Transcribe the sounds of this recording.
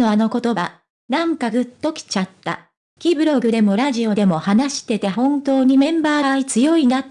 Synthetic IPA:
no̞ano̞ko̞t̪o̞ba | nãŋkaɡɯ̟t̪ːo̞kʲi̥t͡ɕat̪ːa̰ | kʲibɯ̟ɾo̞ɡɯ̟d̪e̞mo̞ɾaʑio̞d̪e̞mo̞hanaɕi̥t̪e̞t̪e̞hõ̞nt̪o̞ːɲ̟imẽ̞mbaːit͡sɨjo̞ina

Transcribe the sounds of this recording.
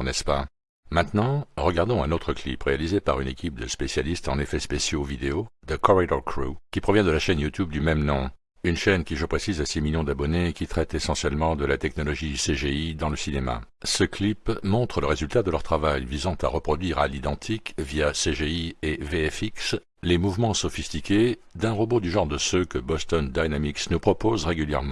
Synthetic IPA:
nɛspa | mɛ̃t̪nɑ̃ʁəɡaʁd̪ɔ̃ɛ̃not̪χəklḭpʁealizepaʁynekʲip̚d̪əspesjalist̪ɑ̃nefɛspesjovid̪eod̪əkɔʁid̪ɔkʁukʲipχɔvjɛ̃d̪əlaʃɛnjut̪ybd̪ymɛmnɔ̃ | ynʃɛnkʲiʒəpχesizasimiljɔ̃d̪abɔnekʲit̪χɛt̪esɑ̃sjɛlmɑ̃d̪əlat̪ɛknɔlɔʒiseʒeid̪ɑ̃ləsinema̰ | səklipmɔ̃t̪χələʁezylt̪ad̪əlœʁt̪χavajvizɑ̃t̪aʁəpχɔd̪ɥiʁalid̪ɑ̃t̪ʰikvijaseʒeieveɛfiks | lemuvmɑ̃sɔfist̪ikʲed̪ɛ̃ʁɔbod̪yʒɑ̃ʁd̪əsøkəbɔst̪ɔnd̪ajnamiksnupχɔpozʁeɡʲyljɛ̰ʁmɑ̃

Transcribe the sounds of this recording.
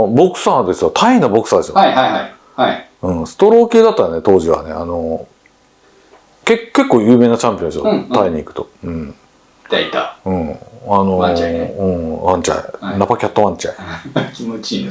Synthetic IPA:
bo̞kɯ̟̥sãːd̪e̞sɨjot̪ʰainobo̞kɯ̥saːd̪e̞sɨjoaa | ai | ɯ̟̃ɴsɨ̥t̪o̞ɾo̞ːkʲɨːd̪at̪ːaɾanet̪o̞ːʑiβa̰ne̞̰a̰no̞ | ke̞kke̞kːoːjɯ̟ːmeːnat͡ɕãmpʲiõnsjot̪aiɲ̟iːkɯ̟̥t̪o̞ɯ̟̃ɴ | t̪ait̪aɯ̟̃ɴano̞ɯ̃ɴβãɲt͡ɕa̰ḭnapakʲat̪ːoβãɲt͡ɕaikʲimot͡ɕi

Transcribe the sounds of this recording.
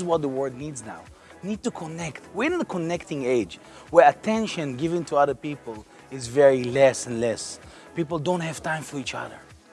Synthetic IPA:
zwɔt̪̚ðəwɜ˞dⁿnidzna̰ʊ | nid̚tukʰɔnɛktwiɪ̃nðəkʰɔnɛktɪ̃ŋeɪd͡ʒ | wə˞ətʰɛ̃nʃɨ̃nɡɪvɨ̃ntʰuʌðə˞pipl̩ˠ | ɪzvɛɹilɛsɛ̃nlɛs | pipl̩ˠdõnthæv̥tãɪ̃mfɔ˞it͡ʃʌ̰ðə̰˞

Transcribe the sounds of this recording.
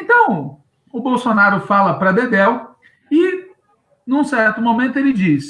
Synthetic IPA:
ẽnt̪ɐ̃w̃ | ʊbowsonaɾʊfalɐpɾɐb̪ed̪ɛw | ɪ | nũsɛɾt̪ʊmomẽnt̪ʊelɪd͡ʒis

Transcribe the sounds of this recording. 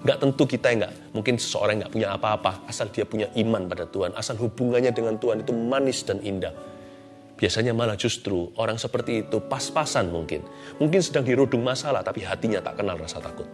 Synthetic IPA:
ŋɡaʔt̪ənt̪ukit̪ajaŋɡa̰ʔ | muŋkɪnsə̥səo̰ɾaŋɡaʔpuɲaapaːpaasaldiapuɲaʔimanpadat̪uanʔasalɦubuŋanɲadəŋant̪uɦanit̪umanɪsdanindah | b̥iasaɲamalad͡ʒust̪ɾuʔoɾaŋsəpərt̪iːt̪upaspasanmuŋkɪ̰nmuŋkɪnsədaŋdiɾudʊŋmasalaht̪apiɦat̪iɲat̪a̰ʔkənalrasat̪akʊt̪̚

